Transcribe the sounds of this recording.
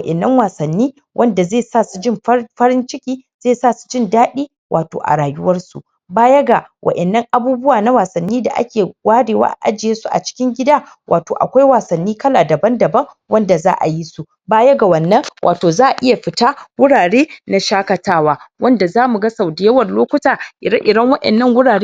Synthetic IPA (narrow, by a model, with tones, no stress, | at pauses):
ʔɛ˨nːɐ˦ŋwaː˨sɐ˨nːiː˦ | wʔɐ˦nda˨zeː˦˨saː˦˨su˨d͡ʒɪ˦m˦ɸɐ˦ɾɪ˦nt͡ʃɪ˦kʲiː˦z̥eː˦˨saː˦˨su̥˨d͡ʒɪ˦ndaː˦ɗiː˦ | wʔaː˨to̰ː˨ʔa̰˨ɽaː˨jʊ˦wɐ˦rsṵ˨ | baː˦jɐ˦ɡa˨wʔɐ̰˨ʔɛ˨nːɐ˦ŋʔa˨buː˦bʊ˦waː˨na˦waː˨sɐ˨nːiː˦da̰˨ʔa̰˦kʲeː˨waː˦ɽeː˨wa̰ː˦ʔʔa̰˦d͡ʒɪ˨jeː˦su˦ʔa̰˨t͡ʃɪ̥˦kʲɪ˦ŋɡʲɪ˦daː˦ | wʔa̰ː˨toː˨ʔa̰˨kʷa˦jwaː˨sɐ˨nːiː˦kɐ˦laː˨dɐ˨bɐ˦ndɐ˨bɐ˦ŋ | wɐ˦nda˨za̰ː˦ʔa̰˨ji˦su˦ | baː˦jɐ˦ɡa˨wɐ˨nːɐ˦ŋwʔa̰ː˨toː˨zaː˦ʔa˨ʔɪ˦ja˨ɸɪ˨ta˦wʊ˦ɽaː˨ɽeː˦na˨ʃaː˦kɐ˨taː˦waː˦wɐ˦nda˨zaː˦mu˨ɡa˦sɐ˨wdɪ˨jɐ˦wɐ˨rloː˦kʷʊ˦taː˨ʔɪ˨˦ʔɪ˨dɐ˦ŋwɐ˦ʔɛ̰˨nːɐ˦ŋwʊ˦ɽaː˨ɽeː˦